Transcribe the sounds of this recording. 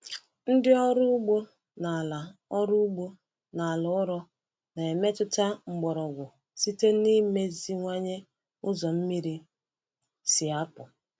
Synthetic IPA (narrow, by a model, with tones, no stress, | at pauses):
n̩˦dɪ˦ɔ˦ɾʊ˦ɡ͡bo˦ | na˨la˨ɔ˦ɾʊ˦ʊ˦ɡ͡bo˦ | na˨lʊ˨˦ʊ˦ɾɔ˦ | na˨e˨me˦tʊ˦ta˦ŋ͡m̩˨ɡ͡bɔ˨ɾɔ˨ɡʷʊ˨ | si˦te˦ni˦me˦zi˦ŋʷa˦ɲe˦ | ʊ˦zɔ˨m̩˦mi˦ɾi˦ | sɪ˨a˦pʊ˨